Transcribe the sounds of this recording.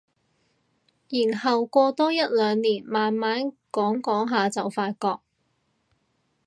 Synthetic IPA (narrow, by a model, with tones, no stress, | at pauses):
jiː˨˩nhɐ˨wkʷɔː˧t̪ɔː˥jɐ˥t̚lœː˨˧ŋniː˨˩nmaː˨nmaː˨˥nkɔː˨˥ŋkɔː˨˥ŋɦaː˨˧t͡sɐ˨wfaː˧t̚kɔː˧k̚